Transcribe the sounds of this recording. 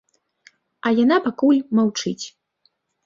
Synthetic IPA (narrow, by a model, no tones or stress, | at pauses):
ɐjanapakulʲmawt͡ʂɨt͡sʲ